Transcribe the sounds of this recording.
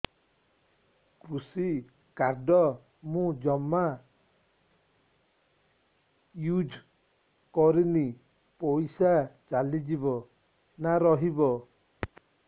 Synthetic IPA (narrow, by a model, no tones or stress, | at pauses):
kɾusi | kaɾɖɔ | mũd͡ʒɔma | jud͡ʒʱ | kɔɾini | pɔjsat͡ʃalid͡ʒibɔ | naɾɔɦibɔ